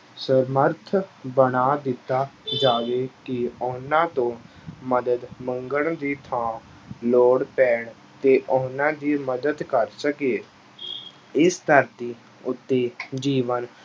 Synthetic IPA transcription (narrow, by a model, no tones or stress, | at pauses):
səɾməɾt̪ʰbəɳaːd̪ɪt̪ːaːd͡ʒaːʋeːkɪʊnãːt̪õːməd̪əd̪məŋɡəɳd̪iːt̪ʰãː | loːɽpɛːɳ | t̪eːʔʊnãːd̪iːməd̪əd̪kəɾsəkeː | ɪst̪əɾt̪iː | ʊt̪ːeːd͡ʒiːʋən